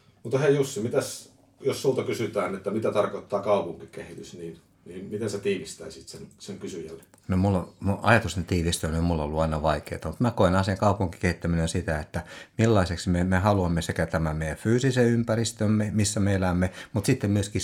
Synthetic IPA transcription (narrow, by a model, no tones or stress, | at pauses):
mut̪heijusːimit̪æs | jossult̪ɑkysyt̪æːnet̪ːæmit̪æt̪ɑrkot̪ːɑːkɑupuŋkikehit̪ysniːn | niːnmit̪enset̪iːʋist̪æisit̪senseŋkysyjæ̰lːe | nomulːomuɑjɑt̪ust̪ent̪iːʋist̪ænommulːo̰lːuɑinɑʋɑikḛːt̪ɑmut̪mækoenɑːnsieŋkɑupuŋki̥kehit̪ːæminensit̪æet̪ːæmilːɑiseksmemehɑluɑmːesekæt̪æmæmeijæfyːsiseympærist̪ømːemisːæmeelæmːemut̪sit̪ːemmyøski